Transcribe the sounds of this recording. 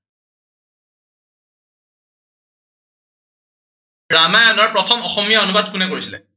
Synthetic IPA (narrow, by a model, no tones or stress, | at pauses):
ɹamaanɔɹpɹɔtʰɔmɔxɔmijaonubadkunɛkoɹisilɛ̰